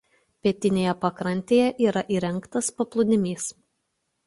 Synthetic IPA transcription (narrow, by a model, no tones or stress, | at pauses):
pʲiɛt̪ʲɪnʲeːjɛpɐkɾɐnʲt̪ʲeːjɛʔiːɾɐʔiːɾʲɛŋˑkt̪ɐspɐplˠʊd̪ʲɪmʲiːs